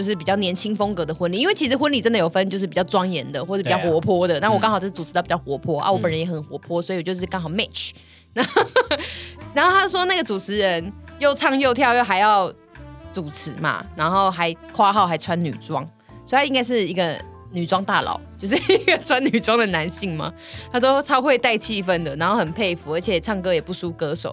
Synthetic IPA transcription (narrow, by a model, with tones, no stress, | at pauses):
jo˥˧ʊʂ̬ɻ̩˥˩pi˨˩t͡ɕjɑ˥˩ʊnjɛ˧˥nt͡ɕʰi˥ŋfo˥ŋkɤ˧˥d̪ə˨xwə˥nli˥˨i˥nwe˥˩t͡ɕʰi˧˥ʂ̬ɻ̩˧˥xwə˥nli˨˩ʈ͡ʂə˥nd̪ə˨jo˨˩ʊfə˥n˨t͡ɕo˥˧ʊʂɻ̩˥˩pi˨˩t͡ɕɑ˥˩ʊʈ͡ʂwɑ˥ŋjɛ˧˥nd̪ə˨xwɔ˥˩˧pi˨t͡ɕɑ˥˩xwɔ˧˥pʰwɔ˥d̪ə˨na˥˩wkɑ˥ŋxj̩˥˩u˨˩˧t̪i˨˩t͡ɕxwɔ˧˥pʰwɔ˥ʔa̰˧˨wɔ˧˥pə˨˩nɻə˦jɛ˨˥xə˨˩nxwɔ˧˥pʰwɔ˥swɔ˧˥i˨wɔ˨˩t͡ɕjo˥˧ʊʂɻ̩˥˩kɑ˥ŋxɑ˨˩ʊmɛ˥˨˩t͡ʃʰ | na˧˥ | na˧˥nxo˥˩t̪ʰa˥˩ʂwɔ˥na˥˩ɡə˩t͡su˨˩t͡sʰɻ̩˧˥ɻə˧˦njo˥˧ʊt͡sʰɑ˥˧ŋjo˥˧ʊt̪ʰjɑ˥˧ʊjo˥˩xa˧ɪjɑ˥˩ʊ | t͡su˨˩t͡s̩ʰ˧˥ma̰˨na˧˥nxo˥˩ʊxa˧˥ɪkʰwa˥xɑ˥˩ʊxa˧˥ɪt͡sʰwa˦˥nny̰˨˩t͡swɑ˦ŋ | swɔ˧˥˨t̪ʰa˥i˦ŋka˥ɪʂɻ̩˥˩i˧˥ɡə˧ | ny˨˩t͡swɑ˥ŋt̪a˥˩lɑ̰˨˩˦ʊt͡ɕjo˥˧ʂ̬ɻ̩˥˩˦ɡə˨˩t͡sʰwa˦ny˨˩ʈ͡ʂwɑ˥ŋd̪ə˨na˧˦˥nɕi˥˩ŋma̰˨ | t̪ʰa˥s̬o˥t͡sʰɑ˥ʊxwe˥˧ɪt̪a˥˧ɪt͡ɕʰi˥˧fə˥nd̪ə˨na˧˥nxo˥˩ʊhə˨˩npʰe˥˩ɪfu˨˥ə˞˧˥t͡ɕʰjɛ˨˩t͡sʰɑ˥˩ŋkɤ˥jɛ˨˩pu˥˩su˥kɤ˧˦ʂo̰˨˦ʊ